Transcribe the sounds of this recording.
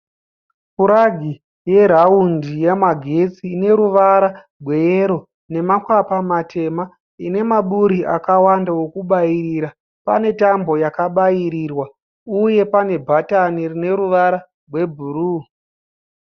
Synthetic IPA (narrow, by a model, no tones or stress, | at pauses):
puɾaɡʱi | je̞ɾaundijemaɡʱe̞t͡siːne̞ɾuʋaɾa | rʱwe̞jeɾo̞ | ne̞makwapamate̞ma | ine̞maɓuɾiʔakawandawo̞kuɓairiɾa | pa̰ne̞tambo̞jakaɓaiɾirwa | uje̞pane̞bʱatanirine̞ɾuʋaɾa | rwe̞bʱuɾu